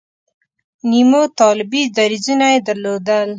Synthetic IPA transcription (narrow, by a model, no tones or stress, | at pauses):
nimot̪ɑlɪbid̪aɾizunajed̪aɾlod̪əl